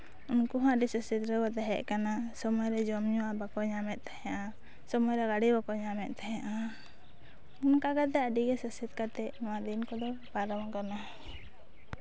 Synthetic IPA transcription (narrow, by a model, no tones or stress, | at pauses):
unkuɦãɖisəsit̪ɾəkɔt̪ɛɦɛʔkanasɔmɔjɾɛd͡ʒɔmɲɔwabakɔɲamɛt̪̚ˀt̪ḁhɛ̃ʔa | sɔmɔjɾɛɡaɽibakɔɲamɛt̪̚ˀt̪aɦɛʔa | unkaɡat̪̬ɛəɖiɡɛsəsit̪̚kat̪ɛnɔwad̪inkɔd̪ɔpaɾawakana